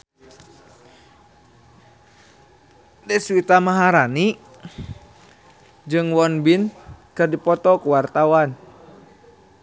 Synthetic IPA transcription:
dɛswit̪amaɦaɾani | d͡ʒɨŋwɔnbinkɨrdipɔt̪ɔkuwart̪awan

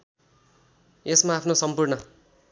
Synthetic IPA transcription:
esmaːpʰnosʌmpurnʌ

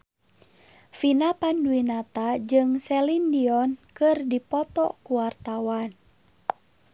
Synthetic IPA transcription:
finapanduinat̪ad͡ʒɨŋsɛlindiɔnkɨrdipɔt̪ɔ̰kuwart̪awan

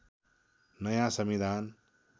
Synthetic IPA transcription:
nʌjãsəmid̪ʱaːn

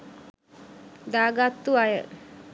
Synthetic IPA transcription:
d̪aːɡat̪ːuajə

